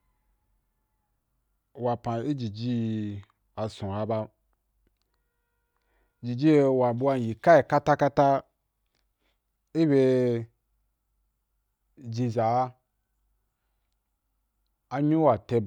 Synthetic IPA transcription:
wa˨pa˨i˦d͡ʒi˨d͡ʒi˦˧ | a˨sũ˨a˧ba˧ | d͡ʒi˨d͡ʒi˦˧wa˨ɓu˧˦a˧˨ji˨ka˦ji˨ka˦ta˦ka˦ta˦ | i˦bʲe˧ | d͡ʒi˧za˨˦ | a˧ɲi˦wa˨te˧

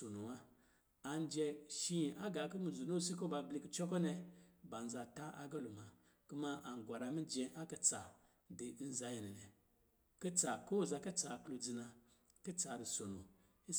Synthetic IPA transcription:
o˨no˨wa˦ | a˨n˦d͡ʒe˧ʃi˦˨ʔa˦ɡa˨kə˦mi˨zu˨no˦si˦ko˦ba˨bli˦kə˦t͡ʃo˦ko˦ne˨ba˨n˨za˨ta˦ʔa˨ɡa˦lu˨ma˨ | ku˦ma˦ʔa˨ŋ˨ɡʷa˨ɾa˨mi˦d͡ʒe˦ʔa˦kə˦t͡sa˨ | de˨i˦n˦za˦ji˨ni˨ne˨ | kə˦t͡sa˨ko˦˨za˧kə˦t͡sa˨klo˨d͡zi˨na˨ | kə˦t͡sa˨ɾi˨so˨no̰˨ | i˦

